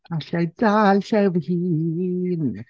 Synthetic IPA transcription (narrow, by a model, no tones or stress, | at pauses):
aɬajd̥aːlɬɛvhiːn